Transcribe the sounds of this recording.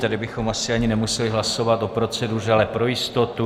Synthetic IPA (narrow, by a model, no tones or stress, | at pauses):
t̪adɪbɪxo̞masɪaɲɪnɛmusɛlɪɦlaso̞vat̪o̞pɾo̞t͡sɛdurɛalɛpɾo̞jɪst̪o̞t̪u